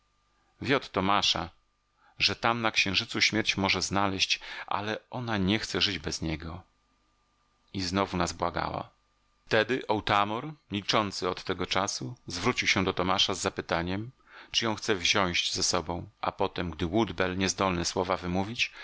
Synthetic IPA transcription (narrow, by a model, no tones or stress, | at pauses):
vʲɛɔt̪ːɔmaʂa | ʐɛt̪amnakɕɛ̃ʐɘt̪suɕmʲjɛɾt͡ɕmɔʐɛznalɛɕt͡ɕʔa̰lɛʔɔnaɲɛxt̪sɛʐɘd͡ʑbɛzɲɛɡɔ | iznɔvunazbwaɡa̰wa̰ | ft̪ɛd̪ɘʔɔwt̪amɔɾmʲit͡ʂɔnt̪sɘɔt̪ːɛɡɔt͡ʂasuzvɾut͡ɕiwɕɛ̃d̪ɔt̪ɔmaʂazːapɘt̪aɲɛm | t͡ʂɨjɔ̃w̃xt̪sɛvʑɔ̃w̃ɕd͡ʑzɛsɔbɔ̃w̃ʔa̰pɔt̪ɛmɡd̪ɘwud̪bɛlɲɛzd̪ɔlnɛswɔvavɘmuvʲit͡ɕ